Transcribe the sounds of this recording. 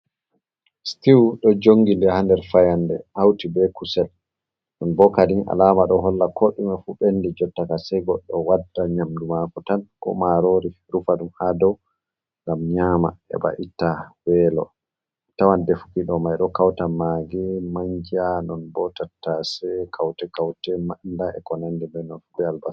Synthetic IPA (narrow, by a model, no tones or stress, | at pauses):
stiwɗɔd͡ʒoŋɡindɛhandɛɾfajandɛ̰hawtibɛkusɛl | nɔnbɔkadinʔa̰laːmaɗɔɦɔlːakʰoɗumɛfuɓendɛd͡ʒɔtːakasɛjɡɔɗːɔwadːaɲamdumakɔtankɔ̰maɾoɾi | ɾufaɗumhadɔw | ŋɡamɲama̰ɛ̰ba̰ʔitːawɛlɔ̰ | tawandɛfu̥kiɗɔmajɗɔkawtamaɡimaɲd͡ʒianɔnbɔtatːasɛkʰawtɛkawtɛmandaɛ̰kɔnandɛbɛnɔnfubɛalbas